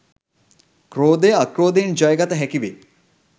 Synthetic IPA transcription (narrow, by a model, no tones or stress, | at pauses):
kɾoːd̪eɐkɾoːd̪end͡ʒɐjɡɐt̪ɐɦɛkiʋe